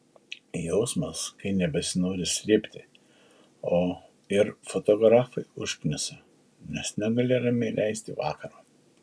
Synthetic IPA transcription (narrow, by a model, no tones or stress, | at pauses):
jɛʊsmɐskɐɪnʲɛbʲɛsʲɪnoːɾʲɪsʲlʲɪːpʲt̪ʲɪ | oː | ɪɾfot̪oɡɾɑːfɐɪʊʃʲkʲnʲʊsʲɛ | mʲɛsnʲɛɡɐlʲeːdɐmʲilʲʔɛɪsʲt̪ʲɪʋɑ̰ːkɐɾɑː